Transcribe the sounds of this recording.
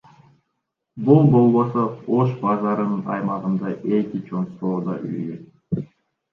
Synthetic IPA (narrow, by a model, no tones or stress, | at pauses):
bulˠbo̞lˠβo̞sooʃbɑzɑɾɯnɯnɑ̰jmɑʁɯnd̪ɑʔe̞kit͡ʃʰo̞nsoːd̪ɑ̰ʔy̰jøt̪̚